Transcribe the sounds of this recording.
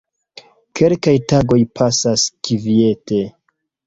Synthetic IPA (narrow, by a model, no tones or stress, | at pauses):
kʰe̞lkajtaɡo̞jpʰasaskivie̞te̞